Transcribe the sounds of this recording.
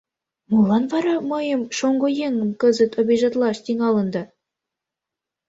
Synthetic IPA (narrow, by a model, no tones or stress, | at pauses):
mulˠːɑnvɑɾɑmɤ̆jɤ̆mʃoŋɡojeŋə̆mkɤ̆zə̆t̪ŏbʲiʒɑt̪lˠɑʃt̪iŋɑlˠɤ̆nd̪ɑ